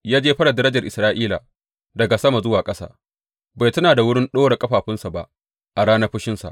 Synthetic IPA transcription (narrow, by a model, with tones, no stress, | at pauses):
jaː˦d͡ʒeː˦ɸɐ˦ɗa˨dɐ˦ɾɐ˦d͡ʒɐ˨rʔɪ˨sɾaː˦ʔiː˦la̰˨ | dɐ˨ɡa˨sɐ˦ma˨zʊ˦waː˨kʼɐ˦sa̰ː˦ | ba˨jtɐ˦naː˨da˨wʊ˦ɽɪ˦nɗoː˦ɽe˨kʼɐ˦ɸaː˨ɸɪ˦nsa˨ba˦ʔ | ʔa˨ɽaː˦nɐ˦ɸɪ˦ʃɪ˦nsa̰˨ʔ